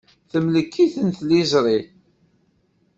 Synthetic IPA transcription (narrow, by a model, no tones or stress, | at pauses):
θəmləkːiθənθlizɾˤi